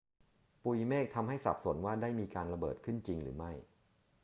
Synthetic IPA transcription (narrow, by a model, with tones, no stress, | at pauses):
pu˧jmeː˥˩k̚t̪ʰa˧mɦa˥˩jsa̰˨˩p̚so˨˩˦nwaː˥˩daː˥˩jmiː˧kaː˧nɾa˧bɤ̰ː˨˩t̪̚kʰɯ˥˩nt͡ɕi˧ŋɾɯ̰ː˩˦ma˥˩j